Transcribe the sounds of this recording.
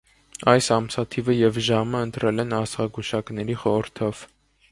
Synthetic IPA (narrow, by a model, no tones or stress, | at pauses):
ɑjsɑmsɑt̪ʰivəjɛvʒɑməənt̪ɾʔɛlɛnɑsʁɑɡuʃɑknɛɾiχɔəɾt̪ʰɔv̥